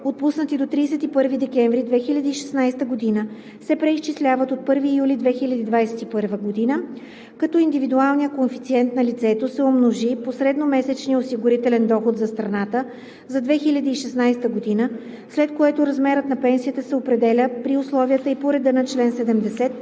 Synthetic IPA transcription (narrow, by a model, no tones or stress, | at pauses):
ot̪̚pusnət̪id̪ot̪ɾiːsɛt̪ipɤɾvid̪ɛkɛɱvɾid̪vɛxilʲɐd̪iːʃɛ̥snajst̪əɡod̪inə | sɛpɾɛist͡ʃislʲavət̪ot̪̚pɤɾvijulʲid̪vɛxilʲɐd̪id̪vajsɛt̪ipɤɾvəɡod̪inə | kɐt̪ɔind̪ivid̪ualˠnijəkonfit̪siɛnt̪nɐlit̪sɛt̪osɛomnoʒiposɾɛd̪nomɛsɛt͡ʃniosiɡʊɾit̪ɛlɛnd̪ɔxot̪zɐst̪ɾɐnat̪ə | zɐd̪vɛxilʲɐd̪iːʃɛsnajst̪əɡod̪inə | slɛt̪koɛt̪oɾɐzmɛɾət̪nɐpɛnsijət̪əsɛopɾɛd̪ɛlʲəpɾiʊslˠɔviət̪əipoɾɛd̪ənɐt͡ʃlɛnsɛd̪ɛmd̪ɛsɛt̪̚